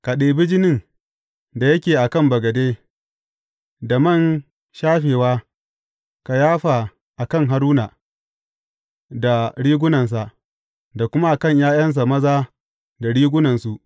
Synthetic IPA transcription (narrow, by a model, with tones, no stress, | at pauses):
ka˨ɗeː˨bɪ˦d͡ʒɪ˦nɪ˦˨ŋ | da˨jɐ˦kʲeː˨ʔa˨kɐ˦˨mbɐ˨ɡɐ˨deː˦ | da˨mɐ˦˨n | ʃaː˦ɸeː˨waː˦ | ka˨jaː˦ɸa˨ | ʔa˨kɐ˦ŋɦa˨ɾuː˦na˨ | da˨ɽiː˦ɡʷʊ˦nɐ˨ns̬a˨ʔ | da˨kʷʊ˦ma˦ʔa˨kɐ˦˨ɲjaː˦j̰ɐ˦ns̬a˨mɐ˦zaː˦ | da˨ɽiː˦ɡʷʊ˦nɐ˨nsu˨ʔ